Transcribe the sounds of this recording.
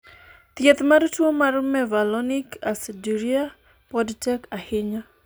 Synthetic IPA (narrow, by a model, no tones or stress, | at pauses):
t̪jɛt̪martwomarmɛvalɔnɪkasɛduɾia | pɔdtɛkahɪɲa